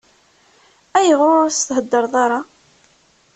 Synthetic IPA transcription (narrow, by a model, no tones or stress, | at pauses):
æjəʁʊɾʊst̪ɦəd̪ːəɾˤðˤɑɾˤɑ